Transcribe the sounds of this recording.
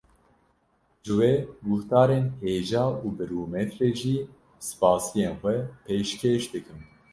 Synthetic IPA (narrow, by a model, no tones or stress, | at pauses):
ʒɨweːɡʊht̪ɑːɾeːnheːʒɑːuːbɨɾuːmɛt̪ɾeːʒiː | sɨ̥pɑːsijeːnxʷɛpʰeːʃkʰeːʃd̪ɨkɨm